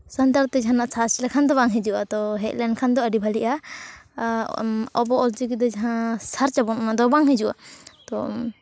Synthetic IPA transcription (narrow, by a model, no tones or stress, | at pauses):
sənt̪əɾt̪ɛd͡ʒɦãnaʔsʰaslɛkʰand̪ɔbaŋɦɛ̃d͡ʒuʔat̪ɔɦɛt̪lɛɳkʰand̪ɔəɖibʱaliʔa | ɔbɔɔld͡ʒikid̪ɔd͡ʒaɦãsaɾt͡ʃabɔnmãd̪ɔbaŋɦɛd͡ʒuʔa̰t̪ɔ